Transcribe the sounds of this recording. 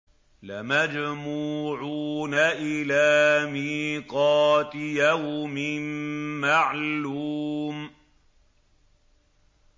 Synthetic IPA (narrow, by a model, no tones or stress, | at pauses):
lamad͡ʒmuːʕuːnaʔɪlaːmiːqɑːt̪ɪjahmɪnːaʕluːm